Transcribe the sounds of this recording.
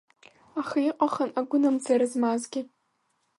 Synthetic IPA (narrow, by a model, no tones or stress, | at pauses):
aχaiqʼaχənaɡʷʊnamzaɾɨzmazɡʲɪ